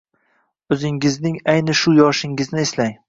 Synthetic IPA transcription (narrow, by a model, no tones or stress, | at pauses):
ɵzɪŋɪznɪŋajnɪʃʊjɒʃɪŋɡɪznɪeslaŋ